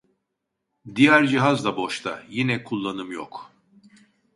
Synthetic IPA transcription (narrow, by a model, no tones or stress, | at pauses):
d̪ijæɾd͡ʒiɦazd̪abo̞ʃt̪ʰa̰jinɛkʰulˠːanɯmjo̰k